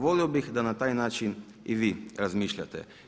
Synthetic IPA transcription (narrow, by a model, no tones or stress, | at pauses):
ʋoːliwbixd̪anat̪aːjnaːt͡ʃin | iʋiɾazmiːʃlʲja̰t̪ɛ̰